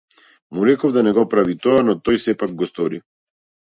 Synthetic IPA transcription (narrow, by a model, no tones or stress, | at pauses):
muɾɛkɔvd̪anɛɡɔpɾavit̪ɔanɔt̪ɔjsɛpaɡ̚ɡɔst̪ɔɾi